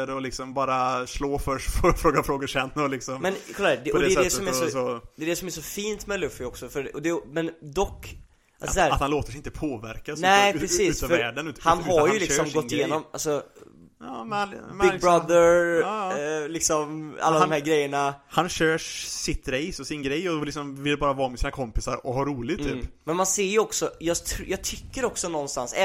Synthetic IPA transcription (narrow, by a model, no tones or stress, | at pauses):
ɾɔlɪksɔmbɑːɾasloːfœʂʈfʰɔfɾoːɡafɾoːɡʊʂɛnːɔlɪksɔmmɛnkʰɔlːaɛːd̪ɛdɔd̪ɛɛdɛsɔmæsɔɔd̪ɛɛd̪ɛsɔmæʂɔfiːnt̪mɛlɵfːɪɔksɔfœɾɔd̪ɛmɛnd̪ɔkː | ʔa̰lsɔsæːɾt̪hanloːt̪əʂɪnt̪əpʰoːvæ̰ɾkanɛɪɾɛsiːʉsfœɾæːɖənʉhanɦaɾjʉɪssɔmɡ̪ɡɔt̪ːɪjeːnɔma̰lsɔ | ɑːmbɪɡ̚bɾad̪əɾ | lɪksɔma̰lːadɔmhæːɾɡɾɛjːəɳahanɕøːʂsɪt̪ɾɛjsɔsɪnɡɾɛjːɔlɪksɔmvɪlbɑːɾavɑːmɛsiːnakʰɔmpɪsaɾɔhaɾuːlɪɡt̪ʰːy̰ːpmɛnmanseːɾjɔksɔjɑːɡt̪ʰjɑːɡ̚t̪ʰʏkːəɾɔksɔnɔnːst̪a̰nsɛ